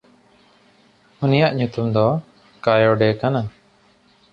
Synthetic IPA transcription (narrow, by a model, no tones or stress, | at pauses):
unijaʔɲut̪umd̪ɔ | kajɔɖɛkana